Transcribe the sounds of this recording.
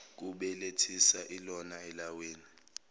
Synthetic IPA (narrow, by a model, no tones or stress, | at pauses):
k̬uɓɛletʰisaʔilɔnaɛlaweːni